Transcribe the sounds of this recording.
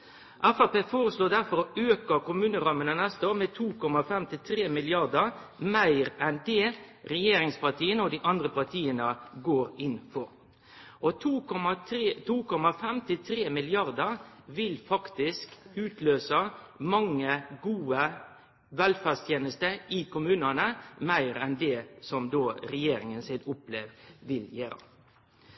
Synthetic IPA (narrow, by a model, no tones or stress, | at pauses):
ʔæfɑpeːfoːɾəsloːd̪æɾfɔɾøːkəɾkʊmʉːnəɾɑmənənæst̪əoːʁmɛt̪ʰuːkɔmɑfɛmt̪ɪlt̪ʰɾeːmɪlɪɑɾd̪əɾmæɪɾɛnd̪eːɾɛjeːɾɪŋspɑt̪ʰiːənəɔd̪iːʔɑnd̪ʁəpɑʁt̪ʰiːənəɡoːɾɪnfɔɾ | ʔɔt̪ʰuɔmɑt̪ʰːt̪ʰuːkʰɔmɑfɛmt̪ʰɪt̪ʰɾeːmɪlɪɑʁd̪əʁʋɪlfɑkt̪ɪskʉːt̪løːsə | mɑŋːəɡuːə | ʋɛlfæʁst̪ʰjeːnəst̪əɪkʊmʉːnənəmæɪɾɛnd̪ɛsɔmd̪oːɾɛjeːɾɪŋənsɪd̪ʊpleːʋʋɪljøːɾə̰